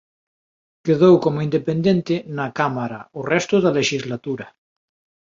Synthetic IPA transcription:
keðowkomoind̪epend̪ent̪ɪnakamaɾaorɛst̪ʊðaleʃizlat̪uɾɐ

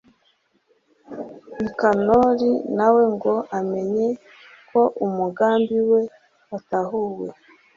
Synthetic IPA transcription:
nikanoɾinawe̞ŋɡo̞ʔame̞ɲe̞ | kʰo̞ʔumuɡaːmbiwe̞ | ataɦuwe

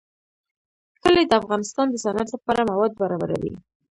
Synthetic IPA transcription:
kəled̪əafɣɑnɪst̪ɑnd̪əsanaɾləpɑɾamawɑd̪̚baɾɑba̰ɾa̰wḭ

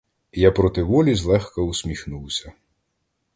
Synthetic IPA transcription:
japɾɔt̪ɪʋɔlʲizlˠɛxkɐusʲmʲixnuwsʲɐ

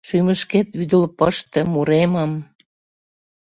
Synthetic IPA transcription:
ʃyməʃket̪yd̪əlpəʃt̪ɤ̆muɾeməm

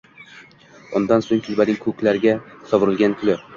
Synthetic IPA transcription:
ʊnd̪ansoŋkʲʰʊlbanɪŋkʰɵkʲlaɾɪɡʲasɒvʊɾɪlɡʲankʲʰʊlɪ

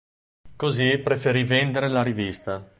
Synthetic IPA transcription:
kozipɾefeɾivend̪eɾelaɾivist̪a

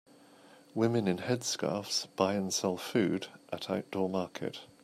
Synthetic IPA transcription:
wɪmɪ̃nɪ̃nɛd̥skɑ̰ˑfsb̥aɪə̃nsɛlˠfʉːdʔətʰaʊʔd̥ɔːmɑˑkʰɪ̰t

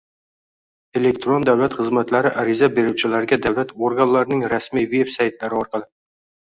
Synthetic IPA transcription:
e̞le̞kt̪ɾo̞nd̪awlat̪χɨzmat̪laɾɪʔaɾɪzabe̞ɾuwt͡ʃʰɪlaɾɪɡʲad̪awlat̪ʰoɾɡanlaɾɪnɪŋɾasmijve̞bsajt̪laɾɪɒɾqɑlˠɪ

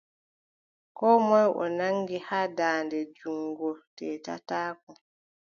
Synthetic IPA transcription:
kɔːmɔjʔɔ̰naŋɡihaːdaːndɛd͡ʒuŋɡɔtɛːta̰taːkɔ

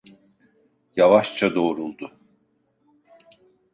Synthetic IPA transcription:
javaʃt͡ʃʰad̪o̞ːɾulˠd̪ʊ

